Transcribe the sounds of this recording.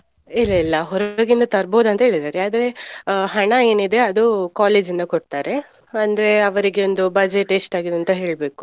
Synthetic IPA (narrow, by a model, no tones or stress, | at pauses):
ilːɐilːɐɦɔɾɐɡind̪ɐt̪ɐɾboːd̪uɐnt̪ɐɦeːɭid̪aːɾeaːd̪ɐɾe̞ɦɐɳɐeːnid̪e̞ɐd̪ukaːleːd͡ʒind̪ɐkoɖt̪aːɾe̞ | ɐnd̪ɐɾe̞ɐʋɐɾiɡe̞o̞nd̪ubɐd͡ʒeʈeʂʈaːɡid̪uɐnt̪ɐɦe̞ːɭbe̞ːku̥